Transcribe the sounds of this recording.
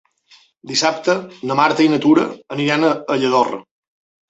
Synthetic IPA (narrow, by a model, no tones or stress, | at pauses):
d̪isap̚t̪ənəmaɾt̪əinət̪uɾə̰ːniɾanəəʎəðorə̰